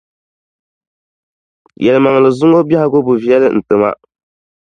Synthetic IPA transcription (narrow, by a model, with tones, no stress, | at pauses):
jɛ˨lɨ˨ma˨ŋ˨lɨ˨zʊ˦ŋo˦bi˦ɛ˦ha˦ɡo˦bu˨vi˦ɛ˦lɨ̰˦n̩˨tɨ˨ma̰˦